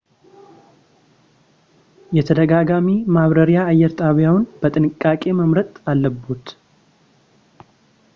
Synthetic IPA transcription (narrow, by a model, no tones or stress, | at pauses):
jɛt̪ʰəd̪əɡaɡamimaβɾəɾijaːjːɛɾt̪ʼaβjawnbət̪ʼɨnɨkʼːakʼe̞məmɾət̪ʼalːəbːut̪